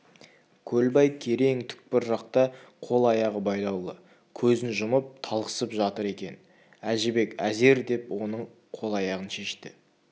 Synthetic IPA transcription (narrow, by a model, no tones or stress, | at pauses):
kʲʰɵlbɑjkʲʰe̞ɾe̞ŋt̪ʰʏ̥k̚pɪɾʒɑq̚t̪ɑqʰo̞lˠɑjɑʁəbɑjlˠɑwlˠə | kʲʰɵzɪnʒʊməp̚t̪ʰɑlˠqə̥səpʒɑt̪əɾe̞kʲe̞n | æʒɪbe̞kʲæze̞ɾd̪e̞pwo̞nəɴ | qʰo̞lˠɑjɑʁənʃe̞ʃt̪ɪ